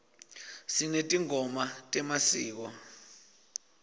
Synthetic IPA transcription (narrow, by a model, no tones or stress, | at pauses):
sinetʼiŋʱɔmatʼɛmasiːk̬ɔ